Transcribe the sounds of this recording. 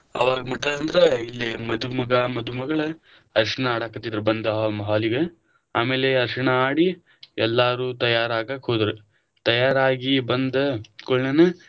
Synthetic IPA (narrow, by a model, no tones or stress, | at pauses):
ɐ̰ʋaːɡɐmɐʈːɐlɐnd̪ɐɾeilːimɐd̪umɐɡɐmɐd̪umɐɡɐɭe | ɐɾʂɐɳɐaːɽaːkɐt̪ːid̪ɐɾebɐnd̪ɐɦaːmɐɦaːliɡe | aːmeːleɐɾʂɐɳɐaːɽi | ɛlːaːɾuːt̪ɐjaːɾaːɡaːkɦoːd̪ɾe | t̪ɐjaːɾaːɡibɐnd̪ɐkoɭnɐne